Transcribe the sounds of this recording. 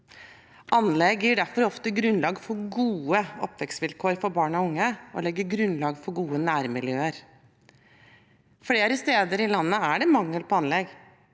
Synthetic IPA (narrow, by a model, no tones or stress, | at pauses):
ʔɑnlɛɡjiːɖæɾfɔɾɔft̪əɡɾʉnlɑːɡfɔɾɡuːəɔ̰pːʋɛksʋɪlkʰoːɾfɔɾbɑːɳɔʊŋːəʔɔ̰lɛɡːəɾɡɾʉnlɑːɡfɔɾɡuːənæːɾmɪljøːəɾ | fleːɾəst̪eːd̪əɾɪlɑnːəæɖɛmɑŋːəlpʰɔɑnlɛɡ